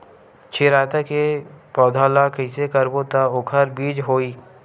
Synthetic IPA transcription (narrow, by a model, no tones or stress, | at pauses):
t͡ʃʰɪɾaːt̪akepɔːd̪ʱaːlakəɪsekəɾbot̪aokʰəɾbiːd͡ʒɦoːiː